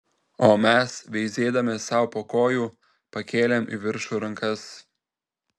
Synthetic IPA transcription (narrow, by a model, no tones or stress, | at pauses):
oːmʲɛsʋʲɛɪzʲeːd̪ɐmʲɛsɑˑʊpoːkoːjuː | pɐkʲeːlʲeːmḭʋʲɪɾʃuːɾɐŋkɐs